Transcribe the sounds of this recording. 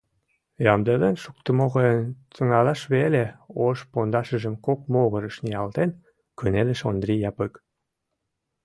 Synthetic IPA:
jɑmd̪elenʃuk̚t̪əmoɣəjənt͡s̪əŋɑlɑʃβeleoʃpond̪ɑʃəʒə̆mkok̚moɣə̆ɾəʃniɑlt̪en | kynelə̆ʃond̪rʲijɑpək

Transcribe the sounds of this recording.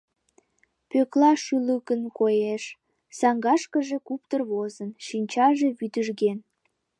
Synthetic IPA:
pøklɑʃyləkənkojeʃ | sɑŋɡɑʃkəʒekupt̪ərβozənʃinʲt͡ɕɑʒeβyd̪əʒɣen

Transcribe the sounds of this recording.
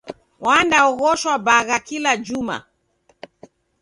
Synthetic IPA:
wandaɔɣɔʃwabaɣakilad͡ʒuma̰

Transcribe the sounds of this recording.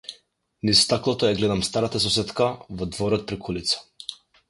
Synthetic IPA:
nist̪aklˠɔt̪ɔjaɡlɛd̪amst̪aɾat̪asɔsɛt̪kavɔd̪vɔɾɔt̪̚pɾikʰulit̪sḁ

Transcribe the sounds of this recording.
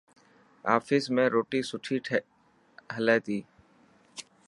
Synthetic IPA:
a̰ːfʰɪsmẽːɾoːʈiːsʊʈʰiːʈʰ | ɦəlɛːt̪iː

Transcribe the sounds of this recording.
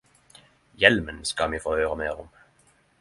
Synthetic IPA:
jɛlmənskɑmiːfoːhøːʁəmeːʁʊm

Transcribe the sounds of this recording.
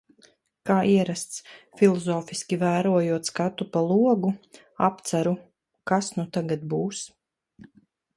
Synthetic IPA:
kaːʔiɛɾast̪sfʲilˠɔzɔːfiskʲivæːɾuɔjuɔt̪skat̪upalˠuɔɡu | ap̚t̪saɾu | kasnut̪aɡat̪̚buːs

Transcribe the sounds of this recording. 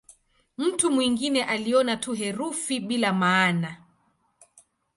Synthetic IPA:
m̩tumwiŋɡinɛʔaliɔnatuɦɛɾufiɓilamaːna

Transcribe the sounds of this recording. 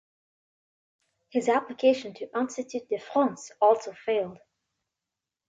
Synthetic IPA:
hɪzæpləkʰeɪʃɨ̃ntʰɨʔɑ̃nsɨtʰʉt̪̚ðɨfɹɑ̃nsɔlˠsoʊfeɪlˠd̥

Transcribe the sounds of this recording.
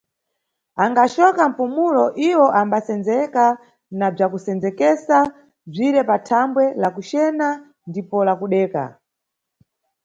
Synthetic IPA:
aŋɡat͡ʃɔkam̩pumulɔʔiwɔʔambasɛnd͡zɛka | nab͡ʐakusɛnd͡zɛkɛsa | b͡ʐiɾɛpatʰambwɛlakut͡ʃɛna | ndipɔlakuɗɛːka̰

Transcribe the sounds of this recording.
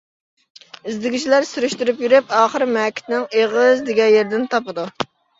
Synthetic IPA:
ɪzd̪ɪɡʲit͡ʃʰilæɾsyɾyʃt̪yɾypjyɾypɑːχəɾɪmɛkʲʰːɪ̥t̪nɪŋeʁɨzd̪ɪɡʲɛnjeɾd̪ɪnt̪ʰɑpɨd̪u

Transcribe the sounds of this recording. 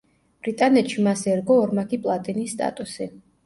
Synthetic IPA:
b̥ɾit̪ʼanɛt̪ʃimasɛɾɡɔːɾmakʰipʼlˠat̪ʼinisːt̪ʼa̰t̪ʼusɛ

